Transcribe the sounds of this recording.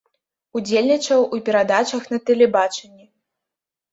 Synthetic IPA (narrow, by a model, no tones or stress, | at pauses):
ud͡zʲelʲnʲit͡ʂɐwʔupʲɛɾad̪at͡ʂɐxnɐt̪ɛlʲɛbat͡ʂɐnʲːɛ